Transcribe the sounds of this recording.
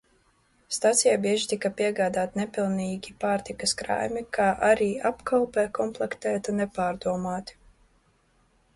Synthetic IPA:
st̪at̪sijabiɛʒit̪ikapiɛɡaːd̪aːt̪ʲnepilˠniːɡʲipaːɾt̪ikɐskɾa̰jmikʰaːʔaɾiːapkalˠpɛːkɔmplˠɛkt̪ɛːt̪anɛpaːɾd̪uɔmaːt̪ʲi̥

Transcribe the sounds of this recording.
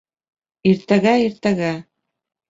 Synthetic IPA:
iɾt̪æɣæiɾt̪æɣæ

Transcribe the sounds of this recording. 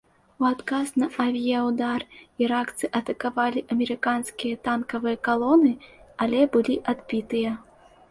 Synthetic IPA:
uat̪kasnɐʔɐvʲijawd̪ariɾakt̪sɨʔɐt̪ɐkavalʲiʔɐmʲɛɾɨkanskʲijɐt̪ankɐvɨjɐkalˠɔnɨalʲɛbɨlʲiʔad̪bʲit̪ɨjɐ

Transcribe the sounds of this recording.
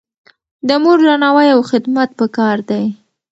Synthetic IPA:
d̪əmoɾlanɑwajawxɪd̪mat̪̚pəkɑɾd̪aj

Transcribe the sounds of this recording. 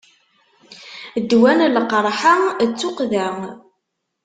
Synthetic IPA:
d̪ːwænlqɾˤħat͡sːʊqðæ

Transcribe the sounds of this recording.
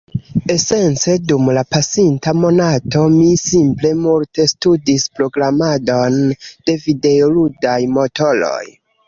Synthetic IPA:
e̞se̞nt͡se̞dumlapasintamo̞nato̞misimple̞multe̞studispɾo̞ɡɾamado̞nd̥e̞vide̞oludajmo̞to̞lo̞̰j

